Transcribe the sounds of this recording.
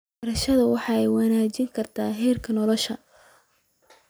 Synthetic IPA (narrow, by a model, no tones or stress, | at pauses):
ɐɾɐʃɐðɐwɑħɑːɛjwɑːnaːt͡ʃɪŋkʰɐrt̪ʰaːɦɛːrkʰɐnɔlɔʃɐ